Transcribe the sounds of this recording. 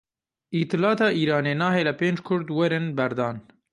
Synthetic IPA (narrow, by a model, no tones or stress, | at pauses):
ʔiːt̪ɨlɑːt̪ɑːʔiːɾɑːneːnɑːɦeːlɛpeːnd͡ʒkʰʊɾd̪wɛɾɪnbɛɾd̪ɑːn